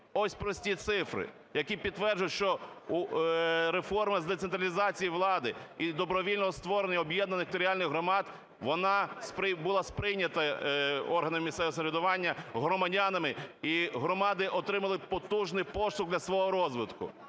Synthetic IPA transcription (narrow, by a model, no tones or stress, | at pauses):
ɔsʲpɾɔsʲtʲit̪sɪfɾɪ̰ | jɐkʲipʲid̪̚t̪ːʋɛrd͡ʒʊjʊʃt͡ʃɔu | ɾefɔrmɪzd̪ɛt̪sent̪ɾɐlʲizɑt͡sʲijiʋlˠɑd̪ɪid̪ɔbɾɔʋʲilʲnɔɦɔst̪ʋɔɾenʲːɐɔbjɛd̪nɐnɪkt̪ɔɾʲiɑlʲnɪxɦɾɔmɑd̪ | ʋɔnɑspbʊlˠɑspɾɪjnʲɐt̪ɐɔrɦɐnɐmɪmʲissɛʋɔsɐɾʲɪd̪ʊʋɑnʲːɐɦɾɔmɐdʲanɐmɪiɦɾɔmɑd̪ɪʔɔt̪ɾɪmɐlˠɪpɔt̪uʒnɪjpɔsʊɣd̪lʲɐsʋɔɦɔɾɔzʋɪt̪kʊ̰